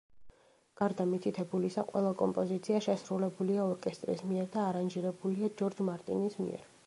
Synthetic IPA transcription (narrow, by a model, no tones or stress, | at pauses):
ɡ̥aɾd̪amit̪ʰit̪ʰɛbulisaqʼwɛ̰lˠakʼɔmpʼɔzit̪sʰiaʃɛsɾulɛbuliaɔɾkʼɛst̪ʼɾḭsmiɛɾd̪aːɾanʒiɾɛbuliad͡ʒɔɾd͡ʒmaɾt̪ʼḭnismḭɛ̰ɾ